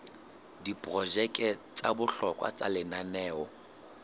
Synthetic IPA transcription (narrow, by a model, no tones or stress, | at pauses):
dipʼrɔʒɛkʼɛt͡sʼabʊɬɔkʼwa̰t͡sʼalɪnanɛːɔ